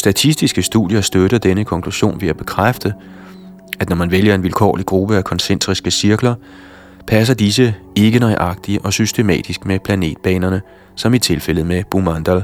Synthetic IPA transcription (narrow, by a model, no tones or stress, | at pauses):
sd̥æt͡sʰisd̥isɡ̥əsd̥ṵðˠjɐsd̥øɾɐd̥enəkʰɒ̽ŋkʰluɕo̝̰ːnʋe̝æb̥e̝kʰʁafd̥ə | æd̥nɒmænʋeljɐe̝nʋilkʰɒ̰ːliɡ̥ʁub̥əækʰɒ̽nsend̥ʰʁisɡ̥əsiɐɡ̥lɐ | pʰæs̬ɐd̥is̬əe̝ɡ̥ənɒ̽ɪʔɑ̈ɡ̥̚d̥iəʔɒ̽sysd̥e̝mɛ̰ːd̥isɡ̥mepʰlæne̝̰ːd̥̚b̥ɛ̰ːnɐnə | sɒ̽mit͡sʰe̝lfel̰əð̩ˠmeb̥umɑnd̥ɐl